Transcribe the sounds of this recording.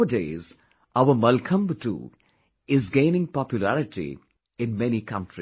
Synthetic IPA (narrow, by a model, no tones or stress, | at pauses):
ədeːz | aʊəmʌlkʰə̃mbʈṵ | ɪzɡẽɪ̃nɪ̃ŋpɑpjʊlæɾɪʈḭ | ɪ̃nmɛnikʰʌ̃nʈɾi